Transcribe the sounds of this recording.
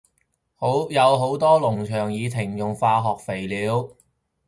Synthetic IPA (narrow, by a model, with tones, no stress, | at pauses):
ho˨˧˥jɐ˨˧wɦo˨˥wt̪ɔː˥lʊ˨˩ŋt͡ʃʰœː˨˩ŋjiː˨˧t̪ʰɪ˨˩ŋjʊ˨ŋfaː˧ɦɔː˨k̚fe˨˩jliː˨˧˥w